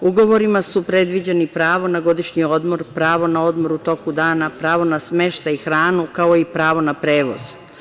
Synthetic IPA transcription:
uɡo̞ʋo̞ɾimasupɾe̞d̪ʋid͡ʑenipɾaːʋo̞naɡo̞d̪iʃɲio̞d̪mo̞ɾpɾaːʋo̞nao̞d̪mo̞ɾut̪o̞kud̪aːnapɾaːʋo̞nasme̞ʃt̪aixɾaːnukao̞ipɾaːʋo̞napɾe̞ːʋo̞̰z̥

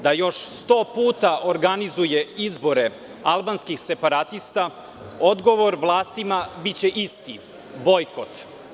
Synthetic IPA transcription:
d̪ajo̞ʃst̪o̞ːpuːt̪aʔoɾɡanizujeizbo̞ɾe | alˠbanskixse̞paɾat̪ist̪a | o̞d̪ɡo̞ʋo̞ɾʋlˠaːst̪imabit͡ɕeʔist̪i | bo̞jkot̪

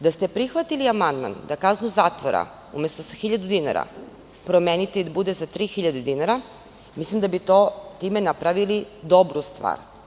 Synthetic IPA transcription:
d̪ast̪e̞pɾixʋat̪iliamand̪ma̰nd̪akaznuzaːt̪ʋoɾa̰ | ume̞st̪osaxiʎad̪ud̪ina̰ɾa̰ | pɾo̞menit̪eid̪abud̪esat̪ɾiːxiʎad̪ed̪inaɾa | mislimd̪abit̪o̞t̪ime̞napɾaʋilid̪o̞bɾust̪ʋa̰ːɾ

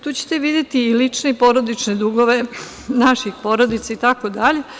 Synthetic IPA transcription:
t̪uːt͡ɕe̥t̪eʋid̪jet̪iːlit͡ʂneipo̞ɾo̞d̪it͡ʃned̪uɡo̞ʋe̞ | naʃixpo̞ɾod̪it̪sait̪akod̪aʎe̞

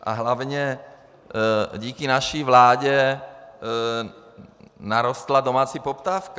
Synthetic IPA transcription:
ʔa̰ɦlaʋɲɛ | ɟiːkinaʃiʋlaːɟɛ | naɾɔst̪lad̪ɔmaːt͡sipɔpt̪aːfk

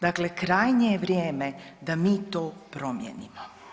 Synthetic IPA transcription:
d̪akle̞kɾaːjɲejeʋɾʲjeːmed̪amiːt̪o̞ːpɾo̞mjḛnimo

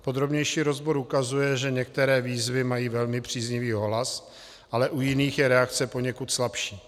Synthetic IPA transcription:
po̞d̪ɾo̞bɲɛjʃiːɾo̞zboɾʔukazujɛʒɛɲɛk̚t̪ɛɾɛːviːzvɪmajiːvɛlmɪpr̝̥iːzɲɪviːɦo̞ɦlas | ʔalɛʔujɪniːxjɛɾɛakt͡sɛpo̞ɲɛkut̪slapʃiː

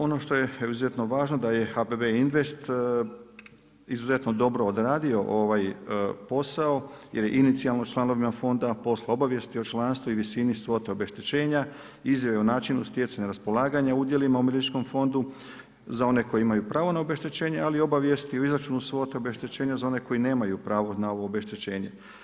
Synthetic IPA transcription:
o̞no̞ʃt̪o̞jeeiuzuze̞t̪no̞ʋaːʒno̞d̪aje̞xabebeinʋe̞st̪ | izuze̞t̪no̞d̪o̞bɾo̞ːd̪ɾaːd̪io̞ʔoʋajpo̞saojḛɾjeʔinit̪sialˠnot͡ʃlˠano̞ʋimafo̞nd̪apo̞sleo̞baʋje̞st̪io̞t͡ʃlˠaːnst̪ʋuiʋisinisʋo̞t̪eo̞be̞ʃt̪et͡ɕe̞ːɲa | izjaʋeonaːt͡ʃinust̪jet̪saɲaɾaspo̞laːɡaɲaud̪je̞limaumeɾit͡ʃko̞mfo̞nd̪u | zao̞ne̞ko̞jiimajupɾaːʋo̞naobe̞ʃt̪et͡ɕe̞ːɲe̞alio̞baʋje̞st̪ioizɾat͡ʃuːnusʋo̞t̪eobe̞ʃt̪et͡ɕeːɲazao̞ne̞ko̞ine̞ːmajupɾaːʋo̞nao̞ʋo̞ːbe̞ʃt̪et͡ɕe̞ːɲe̞̰

